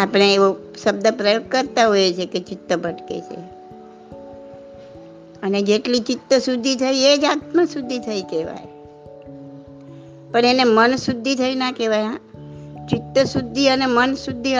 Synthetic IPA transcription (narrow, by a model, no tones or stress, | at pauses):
apəɽ̃eːʋoʃəbd̪əpɾəjoɡ̚kəɾt̪aɦojet͡ʃʰeket͡ʃɪt̪ːəbʱəʈkḛt͡ʃʰḛ | əned͡ʒeʈlit͡ʃɪt̪ːəsud̪ʱit̪ʰəied͡ʒat̪mãsud̪ʱːit̪ʰəikeʋa̰j | pəɳenemənsud̪ʱːit̪ʰəinakeʋajãt͡ʃɪt̪ːəsud̪ʱːiənemənsud̪ʱːi